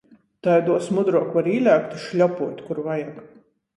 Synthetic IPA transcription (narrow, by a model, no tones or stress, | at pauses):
t̪ajd̪uɔsmud̪ɾuɔkvaɾiːlʲæːkt̪u̥ʃlʲɔpuɔt̪ʲkuɾvajak